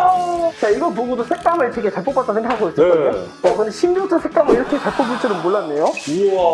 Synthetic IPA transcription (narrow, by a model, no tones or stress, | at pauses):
t͡ɕaiɡʌpoɡudosʰek̚t͈amɯɭt͡ɕweɡet͡ɕaɭp͈okp͈at͈ansʰeŋɡakaɡois͈ʌkʌe | ʌkɯnɕʰimdut͈ʰɯsʰek̚t͈amɯiɾʌkʰet͡ɕaɭp͈ʰobut͡ɕ͈ɯɾɯnmoɭːanːe̞jo